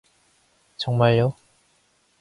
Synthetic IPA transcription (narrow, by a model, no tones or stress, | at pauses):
t͡ɕʌŋmaɭjo